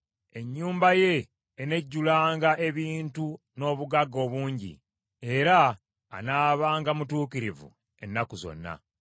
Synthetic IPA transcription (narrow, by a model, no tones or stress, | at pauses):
e̞ɲːuːmbaje̞ː | ne̞ɟːulaːŋɡaʔe̞βiːntu | no̞ːβuɡaɡo̞ːβuːɲɟḭ | e̞ɾa̰ː | naːβaːŋɡamutuːkiɾivṵ | e̞nːakuzo̞̰nːa̰